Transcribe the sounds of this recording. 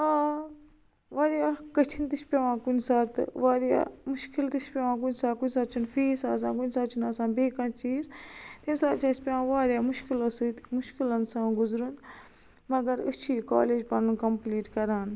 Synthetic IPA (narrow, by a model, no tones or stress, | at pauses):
aː | ʋaːɾjaːkɐt͡ʃʰint̪iʃpʲeʋãːkunsaːt̪ʋaːɾja̰ːmʊʃkilt̪it͡ʃpʲːʋãːk̬unsaːkunʲsaːt̪̚t͡ʃʰunfiːsaːs̬ãːkunsaːt͡ʃʰunɐsãːbeːkãt͡ʃiːzt̪emsaːt͡ʃʰaːspʲeãːʋaːɾjaːmuʃkilosɨt̪mʊʃkilɐnsãːɡuzɾun | mɐɡɐɾɨt͡ʃʰiːka̰ːleːd͡ʒpɐnkɐmpliːʈkɐɾaːn